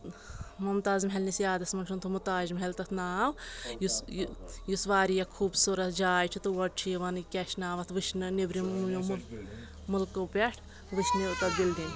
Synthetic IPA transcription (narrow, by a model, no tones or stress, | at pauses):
mɐmt̪aːzmɦʲɐlnisjaːd̪ɐsmɐnt͡ʃʰunt̪ʰumut̪aːʒimɦɐlt̪ɐt̪ʰnaːʋjusjjusʋaːɾijɐkʰuːbsuɾɐt̪d͡ʒaːjt͡ʃʰit̪ɨʋɐʈ̚t͡ʃʰijʋɐnkʲɛʃnaːʋɐt̪ʰʋɨʃʰnɨnibɾimʲumul | mulkɨpʲeʈʰ | ʋɨʃʰnɨt̪ɐbildinʲ